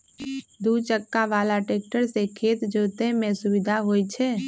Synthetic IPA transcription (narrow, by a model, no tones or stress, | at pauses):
d̪ut͡ʃəkːaʋaːlaʈeːk̚ʈəɾsekʰeːt̪d͡ʒoːt̪emẽsubɪd̪ʱaɦoːjt͡ʃʰɛː